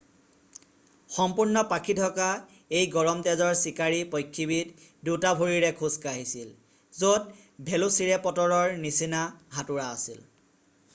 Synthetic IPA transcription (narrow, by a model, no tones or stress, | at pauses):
xɔmpuɹnɔpakʰitʰɔka | ejɡɔɹɔmtɛzɔɹsikaɹipɔjkʰːibit | dutabʱuɹiɹɛkʰuskaɦisil | zot̚ | bʱelusiɹɛpɔtɔɹɔɹnisinaɦatuɹaːsḭl